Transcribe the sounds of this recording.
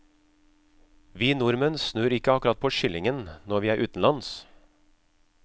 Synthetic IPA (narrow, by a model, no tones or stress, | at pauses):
ʋiːnʊɾmənsnøːɾɪkəɑkʉɾɑt̪̚pʰoːʃʏlɪŋənnɔʋiːæːɾʔʉːt̪n̩lɑns